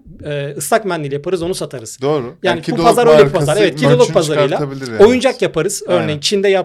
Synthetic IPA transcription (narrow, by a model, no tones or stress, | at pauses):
ɛːɯst̪akmɛnlʲilʲijapʰaɾɯzo̞nusat̪ʰaɾɯz̥d̪oːɾjaːnibupazaɾøjlʲɛupazaɾevɛt̪cʰiolˠupʰazaɾɯjlˠabilo̞jund͡ʒakjapʰaɾɯz̥øɾnejint͡ʃʰind̪ɛja